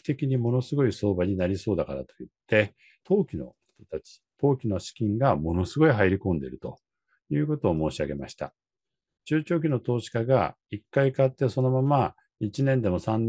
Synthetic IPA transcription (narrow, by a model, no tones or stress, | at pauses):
t̪e̞kʲiɲ̟imo̞no̞sɨɡo̞iso̞ːbaɲ̟inaɾʲiso̞ːd̪akaɾa̰t̪o̞it̪ːe̞ | t̪ʰoːkʲino̞̰ | t̪ot̪at͡ɕi̥t̪o̞ːkʲino̞ɕi̥kʲĩŋɡamo̞no̞sɨɡo̞iɦaiɾʲikõ̞nd̪e̞̰ɾɯ̟t̪o̞̰ | jɯ̟ːko̞t̪o̞ːmo̞ːɕiaɡe̞ma̰ɕi̥t̪a̰ | t͡ɕɨːt͡ɕo̞ːk̬ʲino̞t̪o̞ːɕi̥kaɡa̰ | ikːaikat̪ːe̞so̞no̞mama | it͡ɕinẽ̞nd̪e̞mo̞sãnː